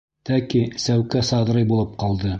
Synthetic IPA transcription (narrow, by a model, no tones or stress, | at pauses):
t̪ækisæwkæsɑðɾɤjbulˠɤp̚qɑlˠd̪ɤ